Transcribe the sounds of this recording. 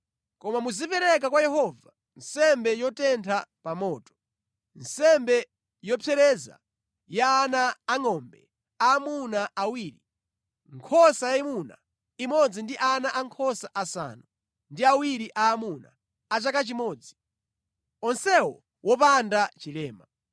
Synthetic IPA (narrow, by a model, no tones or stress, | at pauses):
kɔmamuzipɛɾɛk̬akwajɛɦɔva | nsɛmbɛjɔtɛntʰapamɔːtɔ̥ | n̩sɛmbɛ | jɔpʰɛɾɛza̰ | jaːnaːŋɔmbɛ̰ | aːmunaʔawiːɾi | ŋkʰɔsajaimuna̰ | imɔd͡zindiʔanaʔaŋkʰɔsaʔasa̰ːnu | ndiawiɾiʔaːmuna̰ | at͡ʃakat͡ʃimɔːd͡zi | ɔnsɛwɔ̰ | wɔpandat͡ʃilɛːma